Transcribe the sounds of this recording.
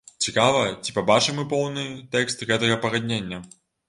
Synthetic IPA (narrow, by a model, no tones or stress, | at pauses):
t͡sʲikavɐt͡sʲi̥pabat͡ʂɨmːɨpɔwnɨt̪ɛkst̪ɣɛt̪ɐɣɐpɐɣad̪ʲnʲenʲːɐ